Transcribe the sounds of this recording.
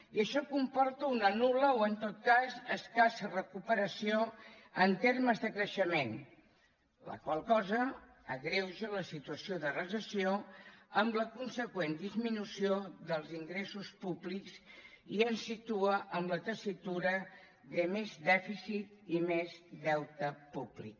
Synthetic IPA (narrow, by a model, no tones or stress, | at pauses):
iəʃɔkumpɔɾt̪əunənuləoənt̪ot̪̚kazəskasərəkupəɾəsio | ənt̪erməzðəkɾəʃəmen | lə̰kwalˠkɔzə | əɣɾewʒələsit̪uəsioðərəzəsioəmbləkunsəkwend̪izminusioðəlˠziŋɡɾesuspubliks | iənsit̪uəʔəmlət̪əsit̪uɾə | ðəmezdɛfisit̪imezðɛwt̪əpublḭk